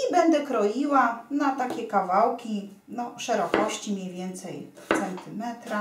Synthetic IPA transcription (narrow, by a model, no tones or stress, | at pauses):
ibɛnd̪ɛkɾɔjiwanat̪akʲɛkavawkʲi | nɔʂɛɾɔkɔɕt͡ɕimʲɲejvʲjɛnt̪sɛj | t̪sɛnt̪ɘmɛt̪ɾa